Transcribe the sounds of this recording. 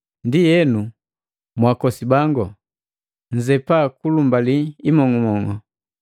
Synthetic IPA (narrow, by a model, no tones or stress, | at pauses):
ndijɛnu | mwakɔsibaŋɡɔ | n̩d͡ʒɛpakulumbaliimɔŋɔmɔŋɔ